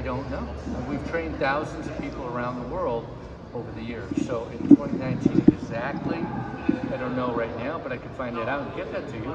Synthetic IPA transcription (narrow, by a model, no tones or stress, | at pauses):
aɪdõʊ̃nːoʊwiv̥tʰɹ̥ẽɪ̃nd̪θaʊz̃n̩zʌv̥pʰipl̩ˠə˞ãʊ̃nðəwɜ˞lˠd | oʊvə˞ðɨjɪɹsoʊʔɪ̃ntʰw̥ɛ̃ñinãɪ̃ntʰĩnɨɡzæk̚tʰˡliðɨɾə˞noʊɹaɪtⁿnaʊbʌɾaɪkʰɨd̥fãɪ̃ndɨɾaʊtnɡ̥ɛt̪̚ðɨtʰɨjɨ